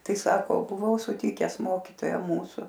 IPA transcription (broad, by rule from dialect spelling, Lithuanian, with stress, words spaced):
ˈtɐɪ ˈsɑːkoː bʊˈʋɐʊ sʊˈtʲɪkʲɛs ˈmoːkʲiːtoːjæː ˈmuːsʊ